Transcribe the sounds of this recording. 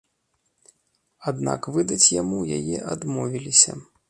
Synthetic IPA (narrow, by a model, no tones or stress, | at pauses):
ad̪na̰kvɨd̪ɐt͡sʲjamuja̰jɛ̰ʔad̪mɔvʲilʲisʲɐ̰